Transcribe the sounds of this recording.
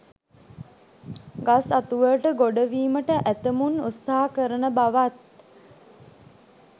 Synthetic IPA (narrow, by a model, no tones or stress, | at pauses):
ɡasat̪uʋəʈəɡoɖəʋiːməʈəʔæt̪əmunut̪saɦakəɾənəbaʋat̪̚